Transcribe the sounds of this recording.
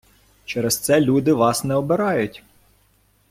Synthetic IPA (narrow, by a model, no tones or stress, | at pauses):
t͡ʃɛɾɛst̪sɛlʲud̪ɪʋɑsnɛɔbɪɾɑjʊtʲ